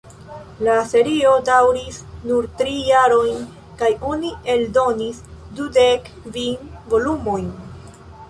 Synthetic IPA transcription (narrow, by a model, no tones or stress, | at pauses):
lase̞ɾio̞dawɾisnuɾtɾijaɾo̞jn | kajo̞nie̞ldo̞nisdude̞k | vinvo̞lumo̞jn